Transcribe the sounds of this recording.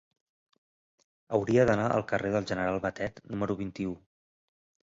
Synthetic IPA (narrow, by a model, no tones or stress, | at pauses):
əwɾiəðənaʔə̰lˠkəreðəlˠʒənəɾalˠβət̪ɛt̪numəɾuβ̞int̪iu